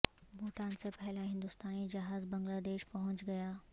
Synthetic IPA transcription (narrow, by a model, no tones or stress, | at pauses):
bʱoːʈaːnsepɛɦlaɦɪ̃nd̪ʊst̪aːnid͡ʒɐɦaːzbɐ̃ŋɡlaːd̪eːʃpɐɦʊ̃t͡ʃɡɐjaː